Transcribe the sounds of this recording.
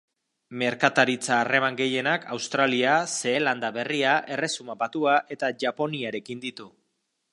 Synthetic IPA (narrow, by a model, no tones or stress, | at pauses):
me̞ɾkat̪aɾit͡saːre̞maŋɡe̞je̞nakʰawst̪ɾaliase̞ːland̪aβe̞riaʔe̞re̞sumabat̪uaʔe̞t̪aʝapo̞niaɾe̞kind̪it̪u